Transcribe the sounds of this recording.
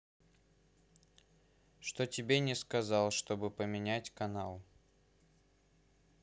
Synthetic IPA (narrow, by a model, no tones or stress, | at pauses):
ʂt̪otʲɪbʲenʲɪskɐzɑlˠʂt̪o̞bɨpəmʲɪnʲætʲkɐnalˠ